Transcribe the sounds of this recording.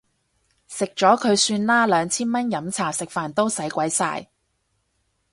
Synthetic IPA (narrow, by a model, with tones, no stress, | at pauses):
sɪ˨k̚t͡ʃɔː˨˥kʰɵ˨˧ɥsyː˧nlaː˥lœː˨˧ŋt͡sʰiː˥nmɐ˥njɐ˨˥mt͡sʰaː˨˩sɪ˨k̚faː˨˩nt̪o˥wsɐ˨˥jkʷɐ˨˥jsa̰ː˧j